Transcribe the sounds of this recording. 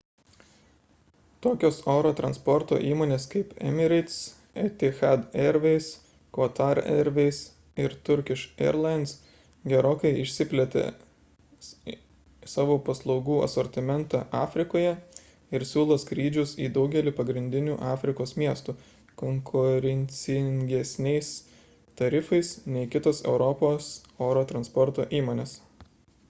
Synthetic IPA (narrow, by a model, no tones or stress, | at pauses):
t̪oːkʲoːsoːɾoːt̪ɾɐnspɔɾt̪o̰ːʔiːmoːnʲeːskɐɪpɛ̰mʲɪɾʲɪt̪s | ɛt̪ʲɪxɑd̪ɛɾʲʋʲɛɪs | kʋoːt̪ɑɾɛ̰ɾʲʋʲɛɪs | ɪɾt̪ʊɾʲkʲɪʃɛ̰ɾlˠɐɪnt̪s | ɡʲɛɾoːkɐɪɪʃʲsʲɪpʲlʲɛt̪ʲḛ | sɑːʋoːpɐslˠɒʊɡuːɐ̰sɔɾʲt̪ʲɪmʲɛnt̪ɑʔɑːfʲɾʲɪkoːjɛ | ɪɾsʲuːlˠoːskɾʲiːd͡ʒʲʊsiːd̪ɒʊɡʲɛlʲiːpɐɡɾʲɪnʲd̪ʲɪnʲuːʔɑːfʲɾʲɪkoːsmʲiɛst̪uː | koŋkʰʊɾʲɛnʲsʲɪŋʲɡʲɛsʲnʲɛɪs | t̪ɐɾʲɪfɐɪsnʲɛɪkʲɪt̪oːsɛ̰ʊɾɔpoːsoːɾoːt̪ɾɐnspɔɾt̪oːʔiːmoːnʲeːs